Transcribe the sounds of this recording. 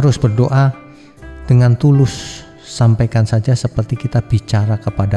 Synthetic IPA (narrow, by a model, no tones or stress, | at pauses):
aɾʊsb̥ərdoʔa | d̥əŋant̪ulʊsː | ampajkansad͡ʒasəpərt̪ikit̪ab̥it͡ʃaɾakəpada